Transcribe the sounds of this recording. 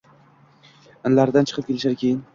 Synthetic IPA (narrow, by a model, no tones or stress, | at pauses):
ɪnlaɾd̪ant͡ʃʰɨ̥qɨp̚kʲe̞lɪʃaɾkʲʰe̞jɪn